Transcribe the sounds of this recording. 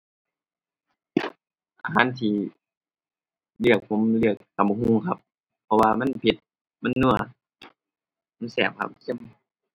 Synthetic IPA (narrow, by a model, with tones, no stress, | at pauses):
ʔaː˧ɦaː˧˥˨nt̪ʰiː˧ | lɯ˧˩ək̚pʰo˧˥˨mlɯ˧˩ək̚ːa˨˦m˧huː˧˩˨ŋkʰa˧˥p̚ʰː | ɔ˧waː˧ma˧˥˨npʰi˧˩t̪̚ | ma˧˥˨nːu˧˩ɐ | ma˧˥˨nsɛː˧˩p̚kʰa̰˧˥p̚si˧˥˨m